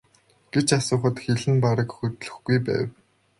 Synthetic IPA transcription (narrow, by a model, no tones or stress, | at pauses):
ɡ̥et͡ɕasʊːχə̆t̪xeɮɘ̆mpaɾə̆kxɵt̪ɮɵ̆xɡujpæ̰ːw